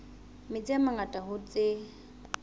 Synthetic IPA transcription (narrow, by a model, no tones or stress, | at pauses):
mɪt͡sʼɪamaŋatʼaɦʊt͡sʼɪ